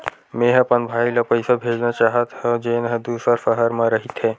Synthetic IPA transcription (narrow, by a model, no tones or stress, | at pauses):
meːɦəpənbʱaːiləpəɪsabʱeːd͡ʒnat͡ʃaːɦət̪ɦɛ̃d͡ʒeːnɦd̪uːsəɾʃəɦəɾmãɾəɦɪt̪ɦɛː